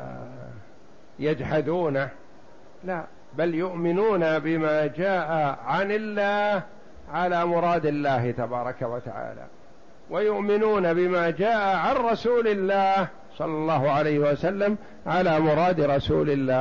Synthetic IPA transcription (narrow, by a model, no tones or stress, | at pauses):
jad͡ʒħad̪uːna | la | baljʊʔmɪnuːnabɪmaːd͡ʒaːʔaʕanɪlːaːh | ʕalaːmʊɾˤɑːd̪ɪlːaːhɪt̪abɑːɾˤɑkawat̪aʕa̰ːla̰ː | wajʊʔmɪnuːnabɪmaːd͡ʒaːʔaʕanɾˤɑsuːlɪlːaːh | sˤɑlːɑlˤːɑːɦʊʕalajhɪwasalːam | ʕalaːmʊɾˤɑːd̪ɾˤɑsṵːlɪlːaː